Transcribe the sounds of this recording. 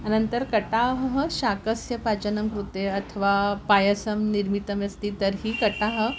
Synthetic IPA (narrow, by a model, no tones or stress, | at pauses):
anənt̪əɾkəʈaɦɦəɕakəsjɐpat͡ɕənəmkɾut̪eɐt̪ʰəʋapajəsəmniɾmit̪əmjɐst̪iːt̪əɾɦiːkəʈaɦə̆